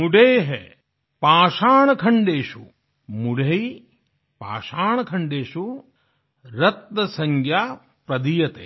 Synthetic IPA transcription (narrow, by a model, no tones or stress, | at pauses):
muɖeːɦḛ | paːʃaːɳɐkʰɐɳɖeːʃu | muɖʱei | pa̰ːʃaːɳɐkʰɐɳɖeːʃu | ɾɐt̪̚nɐsɐŋɡʱjaː | pɾɐd̪ijɐt̪ḛː